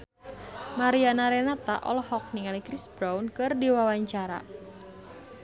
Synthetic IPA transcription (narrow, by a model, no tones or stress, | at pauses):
maɾianaɾenat̪a̰ʔɔ̰lhɔk̚niŋalikɾisbɾawnkɨrdiwawaɲt͡ʃaɾa̰